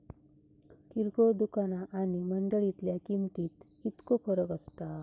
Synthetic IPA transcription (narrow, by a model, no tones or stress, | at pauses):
ʈiɾkod̪ukanaʔaniməɳɖəɭit̪ljakint̪iːt̪ | it̪kofəɾəkəst̪a